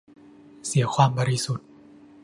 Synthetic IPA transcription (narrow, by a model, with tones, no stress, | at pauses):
si˩˦kʰwaː˧mbɔː˧ɾi˧su˨˩t̪̚